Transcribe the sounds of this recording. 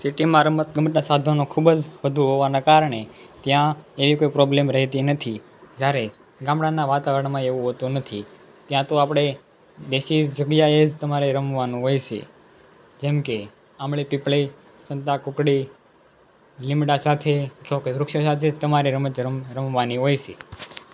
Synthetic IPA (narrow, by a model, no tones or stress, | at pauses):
siʈimãɾəmət̪̚ɡəməʈnasad̪ʱonõkʰubd͡ʒʋəd̪ʱuɦoʋanakaɾɳet̪jãeʋikoipɾoblemɾəɦet̪inət̪ʰi | d͡ʒjaɾe | ɡãmɽãnaʋat̪aʋəɾəɳmãeʋũɦot̪ũnət̪ʰi | t̪jãt̪oapɽ̃e | d̪eʃid͡ʒd͡ʒəɡjaed͡ʒt̪əmaɾeɾəmʋanũɦojʃḛ | d͡ʒɛmke | amɭipɪpɭi | sənt̪akʊkɽi | lɪmɽasat̪ʰet͡ʃokeɾʊkʃosat̪ʰed͡ʒt̪əmaɾeɾəmət͡ʃɾəɾəmʋaniɦojʃe